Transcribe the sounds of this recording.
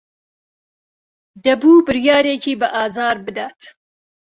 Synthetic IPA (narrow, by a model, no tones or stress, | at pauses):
d̪ɐbuːbɨɾjaːɾeːkiːbɐʔaːzaːɾbɨd̪aːt̪